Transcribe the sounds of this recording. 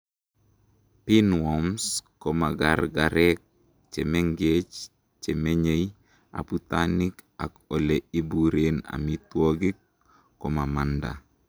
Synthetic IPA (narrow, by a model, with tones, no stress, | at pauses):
pi˦nwɔ˨msko˨ma˨ɡaɾɡaɾɛk̚ | t͡ʃe˨me˦ŋɡet͡ʃ | t͡ʃe˨me˦ɲe˦j | a̰˨put̪ani˦ka̰˨ko˨lei˦buɾena̰˨mitwɔ˦ɡi˦kː | o˨ma˨ma˨nda̰˨